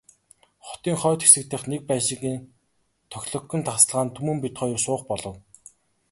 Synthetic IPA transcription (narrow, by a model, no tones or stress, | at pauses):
χʊ̥t̪iːŋχœːt̪xe̥sɘ̆k̚t̪ɘ̆χnek̚pæːʃɪ̆ɣiːn | t̪ʰœxʲɮɞ̆kːɵ̆nt̪ʰaχs̆ɮʁaːnt̪ʰumɘ̆mpit̪χœːjʊ̆sʊːχpɔɮɞ̆w